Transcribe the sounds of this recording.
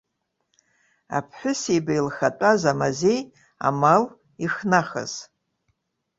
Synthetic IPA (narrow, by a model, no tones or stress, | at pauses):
a̰pʰħʷᶣʊsibailχatʼazamazej | a̰mal | iχnaχa̰z̥